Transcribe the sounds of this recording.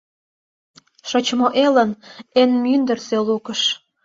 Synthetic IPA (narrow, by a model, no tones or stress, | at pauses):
ʃot͡ɕmoʔelənenmynd̪ə̆rselukəʃ